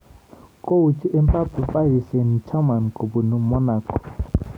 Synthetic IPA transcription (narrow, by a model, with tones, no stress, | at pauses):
kʼo˦u˨t͡ʃʰʼi˦ʔɛ˦mpʼa˦pu˨pʼa˦ɦi˨sɛ˨n̩˨t͡ʃʰa˦ma˨nkʼo˨bu˨nu˦mɔ˦naː˨kʼɔ̥˨